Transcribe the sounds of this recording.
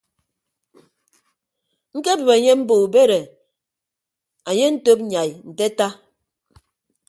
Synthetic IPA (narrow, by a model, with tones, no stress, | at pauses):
ŋ̩˦ke˦bɨ˨ba˨ɲe˦m̩˦bo˨u˨be˦ɾe˨ | a˨ɲe˦n̩˦to˦p̚ɲa˨jn̩˨te˦ta˦